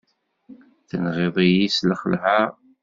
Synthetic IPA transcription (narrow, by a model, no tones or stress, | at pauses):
θnʁeðˤijisləχəlha